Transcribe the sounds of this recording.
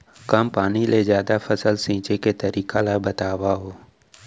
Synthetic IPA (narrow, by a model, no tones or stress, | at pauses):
kɐmpaːnilezjaːd̪afʰəsəlsĩːt͡ʃeket̪ɐɾiːkalabət̪aːʋaɦoː